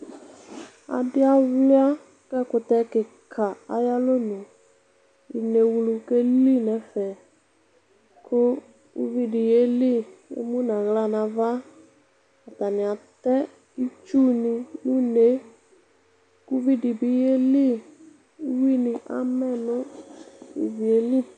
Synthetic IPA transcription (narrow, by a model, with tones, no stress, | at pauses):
a̰˨dɪ˦a˦wli˦a˦ | kɛ˦˨kʊ˧tɛ˧˦kɪ˨kʰa˨a̰˨ja˦lo˦nũ˨ | i˨ne˨wlu˧ke˦li˦˨nɛ˨˦fɛ˨ | kʰʊ˦ | kṵ˦vi˦di˨je˦li˦ḛ˦mũ˦nã˨ɣla˦nã˧va˦ | a˨ta˨nɪ̃˨a˨tɛ˦ | i˦t͡ʃu˦nɪ˧lu˦ne˨˦ | ku˦vi˦di˨bi˨˦je˦li˦ | i˦wi˦nɪ˧ʔa̰˦mɛ˦nʊ̃˦ | ḭ˦vi˨e˦li˦